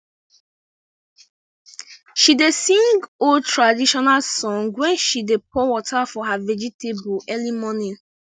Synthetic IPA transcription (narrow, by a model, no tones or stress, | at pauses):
ʃidesĩŋɡoltʰɹadiʃɔnalsɔ̃ŋɡwɛ̃nʃidepʰɔwɔtafɔɦavɛd͡ʒitʰebuʔɛlimɔnĩn